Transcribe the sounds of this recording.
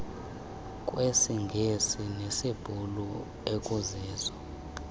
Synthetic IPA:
kʼwesiŋɡʱesinesib̥ʱulu | ekʼuzɛːzwɔ

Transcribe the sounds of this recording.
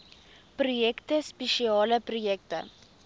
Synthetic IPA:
projɛktəspeʃiɑːləprojɛk̚tə̰

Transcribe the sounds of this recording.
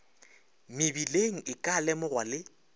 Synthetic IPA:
mɪbileŋ̩ʔɪkʼalɛmʊrwalɪ

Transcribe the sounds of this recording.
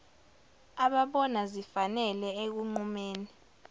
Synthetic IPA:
aɓaɓɔnazifanɛlɛek̬uŋ͡ǃumeːni

